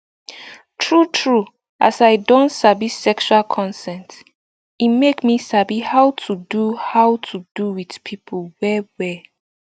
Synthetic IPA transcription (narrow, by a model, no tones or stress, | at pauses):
tʰɹutʰɹu | ʔasaɪdõntsabisɛkʃualkʰɔ̃nsɛ̃nt | imekmisabihawtʰuduhawtʰuduwidpʰipʰulwɛwɛ